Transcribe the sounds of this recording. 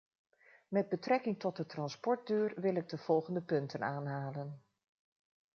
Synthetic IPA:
mɛd̚bətrɛkɪŋtɔd̚dətrɑnspɔɹt̚døːɹʋɪlɪɡ̚dəv̥ɔlˠχəndəpɵntənaːnɦaːlən

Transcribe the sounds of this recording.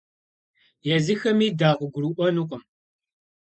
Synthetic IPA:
jɛzɨxɐmiːdaːʔʷʼʊɡʷʊɾuʔʷɔnuqʷʼʊm

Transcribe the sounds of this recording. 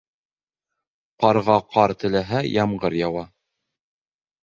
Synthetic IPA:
qɑɾʁɑqɑɾt̪ɘ̆læɦæjɑmɢɤɾjɑwɑ

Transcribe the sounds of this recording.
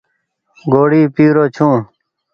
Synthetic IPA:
ɡoːɽiːpiːɾoːt͡ɕʰũː

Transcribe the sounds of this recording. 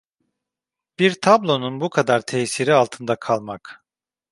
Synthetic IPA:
b̥iɾt̪ʰablˠo̞nunbukʰad̪aɾt̪ʰɛjsiɾialˠt̪ʰɯnd̪akʰalˠmak

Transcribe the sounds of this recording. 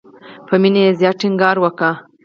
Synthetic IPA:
pəminajezjɑʈiŋɡɑɾwəka

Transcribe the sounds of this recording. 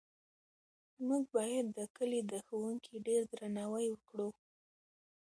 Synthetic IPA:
muɡ̚bɑjad̪ːəkəlid̪əxawuŋkʰiɖeɾd̪ɾanɑwajwəkɽu

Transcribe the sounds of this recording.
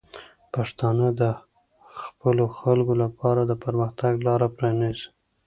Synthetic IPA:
paʂt̪ɑnəd̪ə | xpəloxalɡolapʰɑɾad̪əpəɾməxt̪aɡlɑɾapɾɑniz

